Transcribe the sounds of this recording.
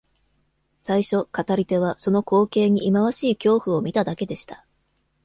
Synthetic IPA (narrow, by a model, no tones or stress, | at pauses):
saiɕo̞kat̪aɾʲit̪e̞β̞aso̞no̞ko̞ːke̞ːɲ̟iʔːmaβaɕiːkʲo̞ːɸɯ̟o̞mʲit̪ad̪ake̞d̪e̞ɕi̥t̪ḁ